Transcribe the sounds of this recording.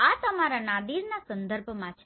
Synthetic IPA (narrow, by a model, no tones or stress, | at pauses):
at̪əmaɾanad̪iɾnasənd̪əɾbʱmãt͡ʃʰe